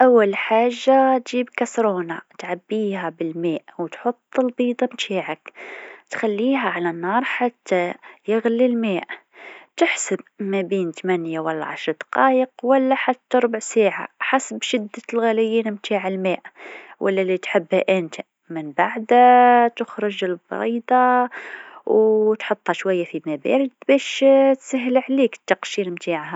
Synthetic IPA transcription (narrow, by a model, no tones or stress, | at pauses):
ʔawːalħaːʒːat̪ʒiːbkasɾoːnat̪ʕabːiːhabɪlmeːʔwt̪ħʊt̪ˤːɪlbiːd̪ˤɑmt̪ʰaːʕakt̪xalːiːɦaʕalanːɑːɾˤħat̪ʰːajɪɣlilmeːʔ | t̪ɪħsabmabiːnt̪amanjawalːa̰ʕa̰ʃɾˤd̪ɑ̥qɑːjɪqwalːaħat̪ːaɾˤʊbʕsaːʕa̰ħasbʃɪd̪ːalɣælɪjːiːnmt̪ʰaːʕalmæːʔwʔa̰lːælit̪ħɪbːhæʔɪnt̪ | mɪnbaʕd̪at̪ʊxɾˤʊʒɪlbɑ̰ɾiːd̪ɑ | wt̪ħʊt̪ˤːɑʃwajːafimabæ̰ːɾɪd̪bæːʃt̪saɦlʕliːkt̪ːɑqʃiːnmt̪ʰaːʕha